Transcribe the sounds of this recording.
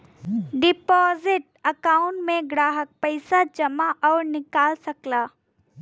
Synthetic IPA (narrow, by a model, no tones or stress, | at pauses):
ɖɪpɔːzɪʈ̚ | ɐkaːʊ̃ɳʈmẽɡɾaːɦək̚pɐɪsad͡ʒɐmaʔɔːɾnɪkaːlsɐklaː